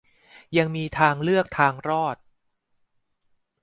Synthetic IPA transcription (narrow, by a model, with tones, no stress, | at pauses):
ja˧ŋmiː˧t̪ʰaː˧ŋlɯ˥˩ək̚t̪ʰaː˧ŋɾɔː˥˩t̪̚